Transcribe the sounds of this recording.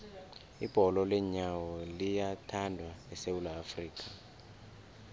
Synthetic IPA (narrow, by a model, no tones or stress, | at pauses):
ib̥ʱɔlɔlɛɲawɔlijatʰandʱwaɛsewulaːfriːk̬ʰʼa